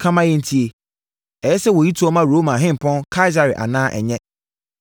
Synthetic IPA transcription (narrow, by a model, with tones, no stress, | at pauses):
kʰã˦mã˦jɛ˦n̩˦tʰi˦e˨ | ɛ˨jɛ˦sɛ˦wɔ˨ji˦tʰu˦ɔ˦mã˦ɾoː˦mã˨ɦɪ̃˦m˨pʰɔ̃˦nkʰa˦i˦z̬a˨ɾɪ̰˨ʔa̰˨nãː˦ʔɛ̰˨ɲɛ̃˦